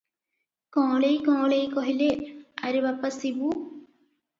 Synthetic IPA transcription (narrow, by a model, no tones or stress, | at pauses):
kɔ̃ːlejkɔ̃ːlejkɔɦileɐɾibapɐsibu